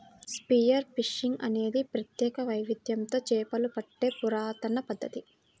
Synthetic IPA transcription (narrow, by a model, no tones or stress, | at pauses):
spijɐɾpiʂiŋɡɐne̞ːd̪ipɾɐt̪jɛːkɐʋɐjʋid̪jɐnt̪o̞ːt͡ʃɛːpɐlupɐʈːe̞ːpuɾaːt̪ɐnɐpɐd̪ːɐt̪i